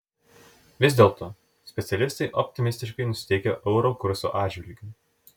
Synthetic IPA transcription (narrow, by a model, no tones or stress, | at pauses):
ʋʲɪzʲd̪ʲeːlˠt̪ʰoː | sʲpʲɛt̪sʲɛlʲɪst̪ɐɪʔɔpʲt̪ʲɪmʲɪsʲt̪ʲɪʃkɐɪnʊsʲɪ̥t̪ʲɛɪkʲoːʔɛʊɾokʊɾsʲo̰ːʔɑːd̪ʲd͡ʒʲʋʲɪlʲɡʲu